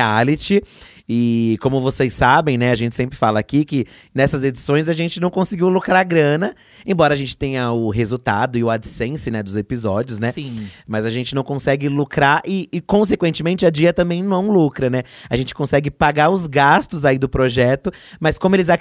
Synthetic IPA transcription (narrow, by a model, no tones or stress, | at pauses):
alɪt͡ʃɪ | ɪkõmʊvosejsːabẽj̃nɛaʒẽnt͡ʃɪ̥sẽmpɾɪfalɐːkikɪ | nɛsɐzed͡ʒisõj̃zɐʒẽnt͡ʃɪnɐ̃w̃kõsɪɡiwlukɾaɾɡɾɐ̃nɐ | ẽbɔɾɐːʒẽnt͡ʃɪ̥t̪ẽj̃ɐʊɦezut̪ad̪ʊɪʊad͡ʒɪsẽsɪnɛd̪ʊzepizɔd͡ʒiʊsnɛsĩmɐzɐʒẽnt͡ʃɪnɐ̃w̃kõsɛɡɪlukɾaɾʔɪːkõsekwẽnt͡ʃɪmẽnt͡ʃɪɐd͡ʒiɐt̪ɐ̃mbẽj̃nɐ̃w̃ɛũlukɾɐnɛaʒẽnt͡ʃɪ̥kõsɛɡɪpaɡaɾʊzɡast̪ʊzaid̪ʊpɾoʒɛt̪ʊ | mɐskõmʊelɪza